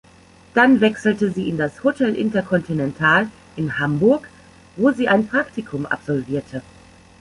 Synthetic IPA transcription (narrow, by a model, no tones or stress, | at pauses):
d̥anvɛksl̩təziːɪndashotʰɛlʔɪntɐkʰɔntinɛntʰaːl | ʔɪnhambʊɐk | voːziːʔaɪnpʁ̥aktɪkʰʊmʔa̰pz̥ɔlviːɐtʰə